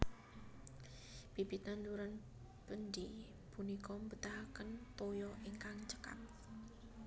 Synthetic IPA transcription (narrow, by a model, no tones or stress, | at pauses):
b̥ibit̪nanduɾan | b̥ənd̪i | punikɔmbət̪aɦakənt̪ojɔʔiŋkaŋt͡ʃə̥ka̰m